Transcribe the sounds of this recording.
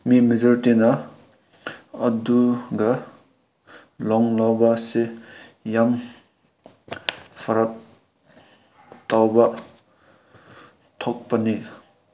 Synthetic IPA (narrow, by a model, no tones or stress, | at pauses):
mimizɐɾtinɐ | ɐduɡɐ | lɔŋlawbɐsejam | pʰɐɾɐk̚ | tawbɐ | tʰɔk̚pɐni